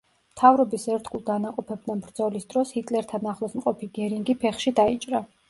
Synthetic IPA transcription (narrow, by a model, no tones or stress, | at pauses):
t̪ʰavɾɔbisɛɾt̪ɡulˠd̪anaqʼɔpʰɛb̚d̪anbɾd̪zɔlisd̪ɾɔshit̪ʼlɛɾt̪ʰanaχlˠɔsmqʼɔpiɡɛɾiŋɡipʰɛχʃid̪ait͡ʃʼɾa